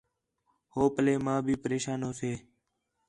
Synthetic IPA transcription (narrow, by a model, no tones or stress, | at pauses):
hoːpəleːmãːbʱiːpəɾeːʃaːnoːseː